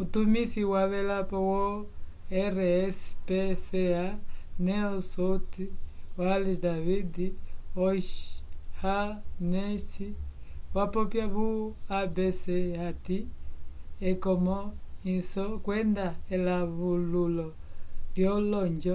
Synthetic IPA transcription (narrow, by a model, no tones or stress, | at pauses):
utumisiwaβɛlapɔwɔ | ɛɾɛspɛsɛanɛɔsɔtiwalidaβidiɔʃhanɛsiwapɔpjaβuabɛsɛhati | ɛkɔmɔisɔkwɛndaɛlaβululɔ | ljɔlɔɲd͡ʒɔ